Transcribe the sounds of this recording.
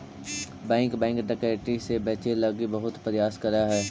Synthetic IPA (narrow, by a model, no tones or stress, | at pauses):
bɛ̃ːŋkbɛ̃ːŋkɖɐkeːʈisebɛːt͡ʃelɐɡibɐɦʊt̪pɐɾɪjaːskɐɾaɦɛː